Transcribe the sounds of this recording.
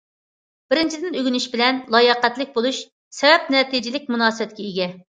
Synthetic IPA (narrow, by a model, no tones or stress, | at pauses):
b̥ɪɾɪnt͡ʃʰid̪ɪnøɡʲynyʃbɪlɛnlˠɑjɑqæt̪lɪk̚ʲbolˠuʃ | sɛvɛp̚nɛt̪id͡ʒɪlɪk̚ʲmunɑːsɨbɛt̪̚kʲɛiɡʲɛ